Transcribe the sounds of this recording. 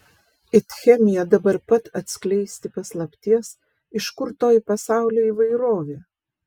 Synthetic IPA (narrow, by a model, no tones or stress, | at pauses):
ɪt̪xʲɛmʲɪjɛd̪ɐbɐɾpɐt̪ɐt̪ʲsʲklʲɛɪsʲt̪ʲɪpɐslˠɐpʲt̪ʲiɛs | ɪʃkʊɾt̪oːjpɐsɑˑʊlʲoːiːʋɐɪɾoːʋʲeː